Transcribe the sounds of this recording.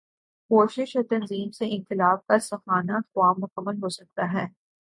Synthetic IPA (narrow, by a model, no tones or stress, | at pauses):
koːʃɪʃɔɾt̪ɐnziːmseʔɪ̃nt̪ɪlaːb̚kɐɾsɐxaːnaːt̪qʊaːmːʊkəmːəlɦosɐk̚t̪aɦɛː